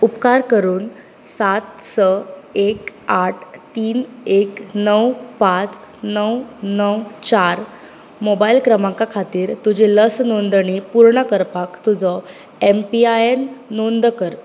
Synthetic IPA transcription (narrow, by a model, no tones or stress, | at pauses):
upkaɾkəɾuːn | sat̪səekaʈʰt̪iːneknəwpãt͡s | nəwnəwt͡ɕaɾ | mobailkɾəmãkakʰat̪iːɾt̪ud͡ʑeləsnond̪əɳ̃ipuɾɳəkəɾpakt̪ud͡zɔ | empiaenːond̪kəɾ